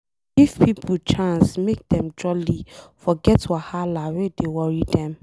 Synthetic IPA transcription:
ɡifpʰipʰult͡ʃʰãnsmek̚d̥ɛ̃md͡ʒɔlifɔɡɛtʰwahalawedewɔɹidɛ̃m

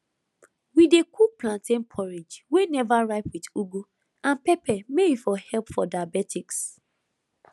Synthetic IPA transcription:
widekʰuplãntẽnpʰɔɹid͡ʒwenɛvaɹaɪpwiduɡu | ãnpɛpʰɛmeifɔhɛlpfɔdaabɛtʰiks

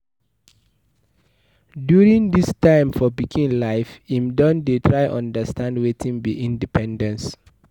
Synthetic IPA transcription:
djuɹĩŋdistʰãɪ̃mfɔbikʰĩnlaɪfĩmdɔ̃ndetʰɹaɪʔɔ̰̃ndəstãndwetʰĩnbiʔĩndipʰɛ̃ndɛ̃ns

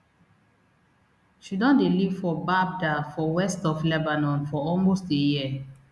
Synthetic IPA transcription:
ʃidɔ̃ndelivfɔbab̚dafɔwɛstɔflɛbanɔ̃nfɔɔlmostdejiə

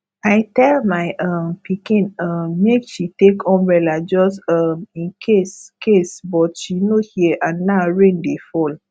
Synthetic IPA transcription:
aɪtɛlmaɪʔɔmpikĩnʌmmekʃitekʰɔ̃mɹɛlad͡ʒɔsɔmĩnkʰeskʰesbɔtʃinohiɛʔãnːaɹẽndefɔl

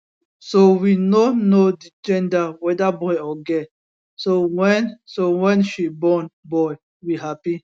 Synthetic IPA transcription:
sowinonodid͡ʒɛ̃ndawɛdabɔjɔɡɛ | sowɛ̃nsowɛ̃nʃibɔ̃nbɔj | wiɦapi

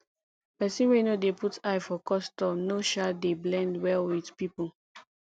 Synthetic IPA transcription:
pɛsĩnwenodeputʰajfɔkɔstɔ̃mnoʃadeblɛ̃ndwɛlwið̥pipu

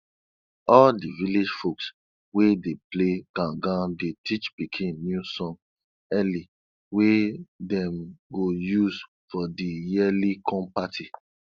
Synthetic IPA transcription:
ɔldiviled͡ʒfoks | wedepleɡ̥ãɡãndetʰit͡ʃbikʰĩnːjusɔ̃n | ɛli | wedɛ̃mɡojuz | fɔdijilikʰɔ̃mpatʰi

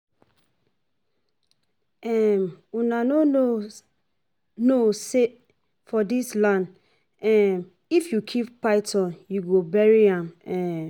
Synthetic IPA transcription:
ɛmunãnoo | nose | fɔdislãn | ɛ̃m | ifjukʰippːaɪtʰɔ̃njuɡobɛɹiãmɛ̃

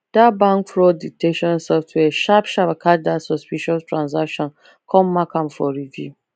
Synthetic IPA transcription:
d̥abãŋkfɹoditeʃɔ̃nsɔftʰwɛʃapʃabakʰadasɔspiʃɔstʰɹãnzakʃɔ̃n | kʰɔ̃mːakãmfɔɹivjṵ

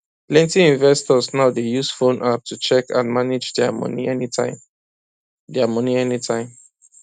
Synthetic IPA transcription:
plɛ̃ntiĩnvɛstɔsnaʊdejusfõnʔap̚tʰut͡ʃɛkã̰nmaned͡ʒdɛmɔ̰niɛnitaɪ | dɛamɔniɛnitãɪ̃m

